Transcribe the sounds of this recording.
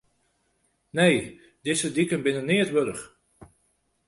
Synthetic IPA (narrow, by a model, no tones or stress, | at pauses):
nej | dɪsədikənbɪnənɪətʋøɾəχ